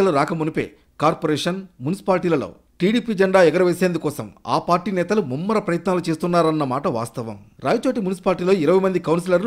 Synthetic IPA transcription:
ɐluɾaːkɐmunupḛː | kaːɾpoːɾɛːʂɐnmunisi̥paːlʈiːlɐlo̰ː | ʈiːɽiːpiɐd͡ʒɛɳɖaːɛɡɐɾɐʋeːseːnd̪ukɔːsɐ̰ma̰ːpaːɾʈiːnɛːt̪ɐlumumːɐɾɐpɾɐjɐt̪naːlut͡ʃe̞ːst̪unːaːɾɐnːɐmaːʈɐʋa̰ːst̪ɐʋɐ̰mɾaːjɐt͡ʃoːʈimunisi̥paːliʈiːlo̞ːiɾɐʋɐjmɐnd̪ikɐwns̬ilɐɾlu

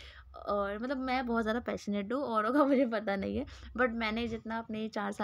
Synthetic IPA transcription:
ɔːɾmɐt̪ləbmɛ̃ːbɔːt̪zjaːd̪apɛːʃəneːʈ̚dũɔːɾõkamʊd͡ʒʱep̬ɐt̪anɐɦĩɦɛbɐʈ̚mɛ̃ːned͡ʒɪt̪naɐpnet͡ʃaːɾsa

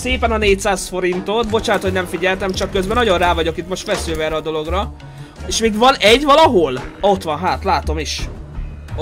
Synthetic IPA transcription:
seːpɛnɒneːc̚t̪saːsfo̞ɾint̪o̞t̪bo̞t͡ʃaːnt̪hoɟnɛɱfiɟɛlt̪ɛmt͡ʃɒkːøzbɛnɒɟo̞nraːvɒɟo̞kit̪mo̞ʃt̪fɛsylvɛrɛːd̪o̞lo̞ɡrɒ | eːʃmiːɡʋɒnɛɟvɒlɒɦo̞lo̞t̪ʋɒnɦaːt̪laːt̪o̞miʃ

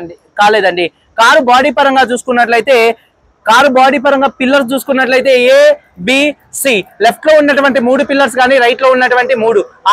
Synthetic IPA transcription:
kaːleːd̪ɐɳɖi | kaːɾubaːɽiːpɐɾɐŋɡaːt͡ʃuːsu̥kunːɐʈlɐjit̪e̞ː | kaːɾubaːɽiːpɐɾɐŋɡaːpilːɐɾs̬t͡ʃuːsu̥kunːɐʈ̬lɐjt̪e̞ːeː | biː | siːle̞pʰʈlo̞ːunːɐʈuʋɐɳʈimuːɽupilːɐɾs̬ɡaːniɾɐjʈlo̞ːunːɐʈuʋɐɳʈimuːɽua

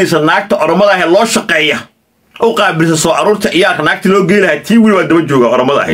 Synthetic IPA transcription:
ɛs̬ɐnaːɡ̚t̪ʰɐʔɔɾɔmɐðɐɐɦɛːlɔːʃɑqɛːjɐ | ʔʊqɑːbɪls̬ɐsɔːʕɑɾuːrt̪ʰɐʔɪjaːrkʰɐnaːɡ̚t̪ʰɐlɔːɡɛjɪlɐhaːt̪ʰiːwɪlwaːd̪ɐbɐt͡ʃɔːɣaːɔɾɔmɐðɐ̰ɐ̰hɛ̰

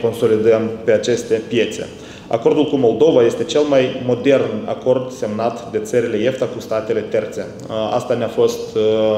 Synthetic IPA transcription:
ko̞nso̞lid̪əmpe̞at͡ʃe̞st̪e̞pje̞t̪se̞̰ | a̰ko̞rd̪ulkumo̞lˠd̪o̞vaje̞st̪e̞t͡ʃe̞lmajmo̞d̪e̞rna̰ko̞rd̪se̞mnat̪d̪e̞t̪səɾile̞je̞ft̪akust̪at̪e̞le̞t̪e̞rt̪se | a̰st̪aneafo̞st̪

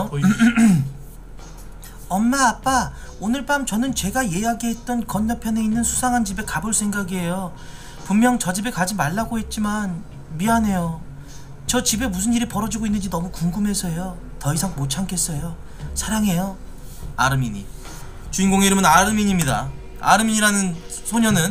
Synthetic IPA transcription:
ʌnːaːp͈a | onɯɭpamt͡ɕʌnɯnt͡ɕe̞ɡaje̞jaɡiɦe̞t̚t͈ʌnkʌɲːʌpʰjʌne̞inːɯnsʰu̥sʰaŋɦand͡ʑibe̞kabɯɭs͈ʰeŋɡaɡiɦe̞jo | pumːjʌŋt͡ɕʌd͡ʑibe̞kad͡ʑimaɭːaɡoɦe̞t̚t͡ɕ͈iman | mianɦe̞jo | t͡ɕʌt͡ɕibe̞musʰɯniɾɯiɭpʌɾʌd͡ʑiɡoinːɯnd͡ʑinʌmukuŋɡɯmɦe̞sʰʌjo | tʌisʰaŋmot͡ɕʰaŋkʰe̞s͈ʌjo | sʰaɾaŋɦe̞jo | aɾɯmiɲi | t͡ɕuinɡoŋe̞iɾɯmɯnaɾɯmiɲimɲida | a̰ɾɯmiɲiɾanɯnsʰoɲʌnɯn

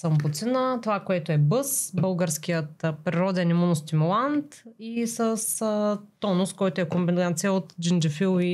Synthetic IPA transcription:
səmbʊt̪sinət̪ovakoɛt̪oɛbɤsbəlˠɡəɾskijət̪pɾiɾɔd̪ɛnimunost̪imulˠant̪isəst̪ɔnʊskɔjt̪oɛkombinat̪sijəot̪d͡ʒind͡ʒɛfilˠi

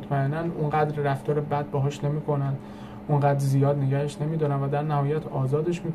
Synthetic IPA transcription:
t̪ʰmæenːænʔunɢæːd̪ɾːæft̪ɒːɾebæd̪̚bɒːɦɒːʃne̞miːkʰo̞nænd̪ | unɢæːd̪ɾzijɒːd̪neɟæheʃne̞miːd̪ɒːnæmvæd̪æɾnæhɒːjæt̪ʰɒːzɒːd̪e̞ʃmiː

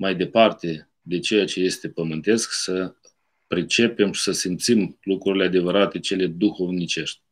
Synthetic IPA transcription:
majd̪e̞part̪e̞ | d̪e̞t͡ʃe̞jat͡ʃe̞je̞st̪e̞pəmɨnt̪e̞sksə | pɾit͡ʃe̞pe̞mʃi̥səsimpt̪simlukɾuɾilead̪e̞vəɾat̪e̞t͡ʃe̞le̞d̪uxo̞vnit͡ʃe̞ʃt̪̚ʲ

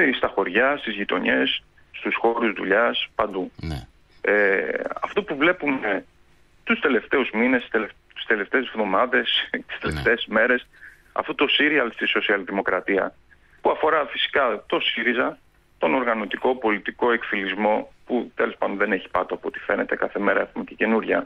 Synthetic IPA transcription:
st̪ɐxo̞ɾʝɐst̪izʝit̪o̞̰ɲe̞s | st̪usxo̞ɾuzðuʎɐspɐnd̪u | eɐ̰ft̪o̞puvle̞pume | t̪ust̪e̞le̞ft̪e̞uzminese | i̥st̪e̞le̞ft̪e̞ːzvðo̞mɐðe̞st̪i̥st̪eleft̪e̞ːzme̞ɾe̞s | ɐ̰fot̪o̞siɾiɐlst̪iso̞siɐlðimo̞kɾɐt̪iɐ̰ | puɐfo̞ɾɐfisi̥kɐt̪o̞siɾizɐ | t̪o̞no̞ɾɣɐno̞t̪iko̞po̞lit̪iko̞e̞kfilizmo̞put̪e̞lo̞spɐd̪onðe̞ne̞çi̥pɐt̪oɐpo̞t̪i̥fe̞ne̞t̪e̞kɐθe̞me̞ɾɐe̞xumecece̞nuɾʝɐ̰

